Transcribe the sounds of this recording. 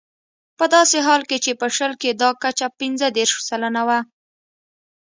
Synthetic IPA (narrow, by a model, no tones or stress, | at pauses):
pəd̪ɑseɦɑlket͡ʃepəʃəlked̪ɑkat͡ʃapinzəd̪eɾʃsalənawa